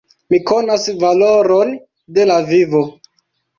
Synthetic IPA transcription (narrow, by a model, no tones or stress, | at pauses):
miko̞nasvaloɾon | de̞lavivo